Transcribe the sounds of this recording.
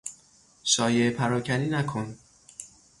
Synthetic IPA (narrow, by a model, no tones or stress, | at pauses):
ʃɒːjeepʰæɾɒːcʰæniːnækʰon